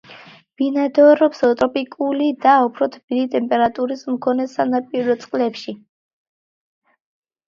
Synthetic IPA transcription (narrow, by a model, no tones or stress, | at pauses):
b̥inad̪ɔɾɔpsɔt̪ʼɾɔpʼikʼulid̪aupʰɾɔt̪ʰbilit̪ʼɛmpʼɛɾat̪ʼuɾismkʰɔnɛsanapʼiɾɔt̪sʼqʼlɛpʃi